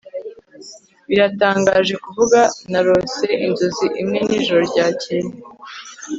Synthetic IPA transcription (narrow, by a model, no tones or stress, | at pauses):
βiɾataːŋɡaʒe̞kuvuɡanaɾo̞se̞ʔinzoziʔimŋe̞niːʒoɾoɾɟaːcene